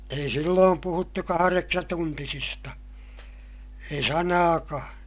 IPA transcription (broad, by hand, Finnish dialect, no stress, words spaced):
ei silːoːm puhutːu kɑhɑreksɑtuntisistɑ ei sɑnɑːkɑ̃ː